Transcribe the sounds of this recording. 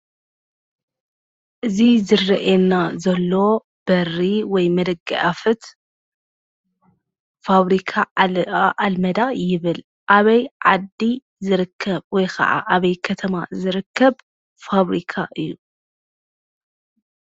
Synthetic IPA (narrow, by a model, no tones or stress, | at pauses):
ʔɨzizɨrɐʔenazɐlːo̞ | b̥ɐrːiwɔjmɐd̪ɐɡɐ̰ʔafɨt̪ | faβɾikʰa | ʔalmɐd̪ajɪβɨl | ʔaβɐjʕad̪ːi | zɨɾɨkʰːɐβwɔjkʰɐ̰ʕa̰ʔaβɐjkʰɐt̪ʰɐmazɨɾɨkʰːɐβ | faβɾikʰaʔɨjːu